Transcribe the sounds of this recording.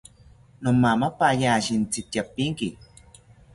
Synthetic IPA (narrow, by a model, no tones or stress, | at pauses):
nomːamapajaːʃint͡sit̪japːiŋki